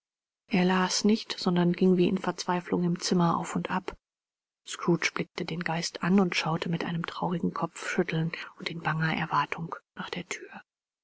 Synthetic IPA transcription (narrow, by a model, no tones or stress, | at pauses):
ʔeːɐlaːsnɪçtz̥ɔndɐnɡɪŋviːʔɪ̰nfɛɐt͡sv̥aɪflʊŋɪmt͡sɪmɐʔa̰ʊfʊntʔap | skʁ̥uːt͡ʃb̥lɪk̚tədeːnɡaɪstʔanʊntʃaʊtʰəmɪtʔa̰ɪnəmtʁ̥aʊʁɪɡŋ̩kʰɔp͡fʃʏtʰl̩nʊntɪnbaŋɐʔɛ̰ɐvaɐtʰʊŋnaːχd̥eːɐtʰyːɐ